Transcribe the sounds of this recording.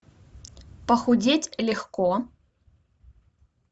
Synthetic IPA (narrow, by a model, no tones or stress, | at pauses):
pɐxʊdʲetʲlʲɪxkɔ